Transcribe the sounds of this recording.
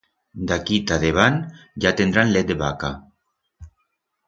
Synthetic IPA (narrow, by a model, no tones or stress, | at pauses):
d̪akit̪aðeβ̞anʒat̪end̪ɾanlet̪̚eβaka